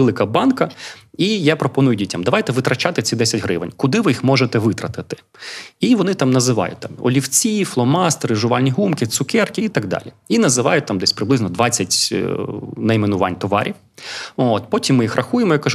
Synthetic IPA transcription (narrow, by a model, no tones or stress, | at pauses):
elˠɪkɐbɑnkɐijapɾɔpɔnujʊdʲitʲɐmd̪ɐʋɑjt̪ɛʋɪt̪ɾɐt͡ʃɑt̪ɪt͡sʲid̪ɛsʲɐtʲɦɾɪʋḛnʲkʊd̪ɪʋɪjixmɔʒet̪ɛʋɪt̪ɾɐt̪ɪt̪ɪ̥ | iʋɔnɪt̪ɑmnɐzɪʋɑ̰jʊ̰t̚ʲt̪ɑmɔ̰lʲiwt͡sʲiflˠɔmɑst̪eɾɪʒʊʋɑlʲnʲiɦumkɪt̪sʊkɛrkɪit̪ɐɡd̪ɑ̰lʲiinɐzɪʋɑjʊt̪ɑmd̪ɛsʲpɾɪblˠɪznɔd̪ʋɑt͡sʲːɐtʲ | nɐimenʊʋɑ̰nʲt̪ɔʋɑ̰ɾʲiw | oːt̪̚pɔtʲimːɪjixrʔɐxujemɔjakːɐʒ